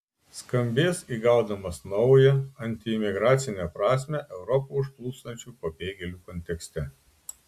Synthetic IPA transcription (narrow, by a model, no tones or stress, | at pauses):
skɐmʲbʲeːsiːɡɐʊd̪ɐmɐsnɒʊjɛɐnʲt̪ʲɪɪmʲɪɡɾɑːt̪sʲɪnʲɛpɾɑːsʲmʲɛʔɛʊɾɔpoʊʃplˠuːst̪ɐnʲt͡ʃʲuːpɐbʲeːɡʲɛlʲuːkɔnʲt̪ʲɛksʲt̪ʲɛ